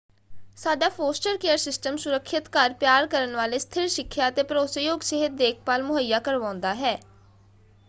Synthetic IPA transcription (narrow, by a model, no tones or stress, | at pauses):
saːɖaːpʰoːsʈəɾkeːəɾsɪsʈəmsʊɾəkʰːɪt̪kaɾpjaːɾkəɾənʋaːleːst̪ʰɪɾʃɪkʰːjaːət̪eːpəɾoːsajoːɡseːɦɪt̪̚d̪eːkʰpaːlmʊɦəjːaːkəɾʋãːʊ̃nd̪aːɦɛː